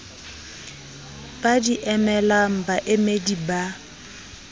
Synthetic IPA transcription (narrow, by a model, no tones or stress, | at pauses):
b̥adiʔɛmɛlam̩baʔɪmediba